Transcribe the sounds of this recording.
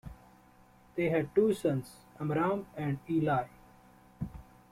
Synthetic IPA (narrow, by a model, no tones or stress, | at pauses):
d̪̥eːɦɛɖ̚ʈuːsʌ̃ns | ə̃mɾãːmɛ̃ɳɖiːlaːɪ